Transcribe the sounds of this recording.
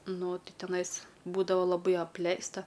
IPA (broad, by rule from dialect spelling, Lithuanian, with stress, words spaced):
ˈnʊ ˈtʲɪ tʲɛˈnɐɪs ˈbuːdɐʋɐ lˠɐˈbɐɪ ɐpʲˈlʲɛɪstɐ